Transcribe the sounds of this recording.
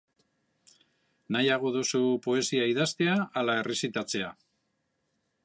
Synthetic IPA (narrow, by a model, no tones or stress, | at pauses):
najaɣ̞o̞ðusupo̞e̞siaiðast̪e̞aːlae̞re̞sit̪at͡se̞a